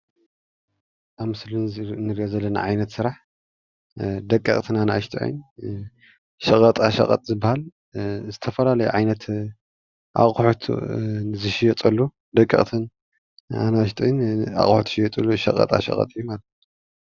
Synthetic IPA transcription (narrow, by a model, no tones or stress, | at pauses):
ʔaβmɨslunnːɨɾiʔozɐlːɐna̰ʕajnɐt̪sɨɾaħ | d̪ɐkʼːḭχʼt̪ʰɨnanaʔʃt̪ʰʼɨ̰ʕɨ̰n | ʃɐkʼɐt̪ʼaʃɐ̰qʼɐ̰t̪ʼzɨbːahal | zɨt̪ʰɐfɐlalɐjuʕajnɐt̪ | ʔa̰χʼħut̪ʰzɨʃijɛt̪ʼɐlːu | d̪ɐkʼːḭχʼt̪ʰɨn | a̰naːʃt̪ʰʼɨʕina̰χʼħut̪ʰʃijɐt̪ʼɐlːuʃɐ̰qʼɐ̰t̪ʼa̰ʃɐ̰qʼɐ̰t̪ʼijumalɐt̪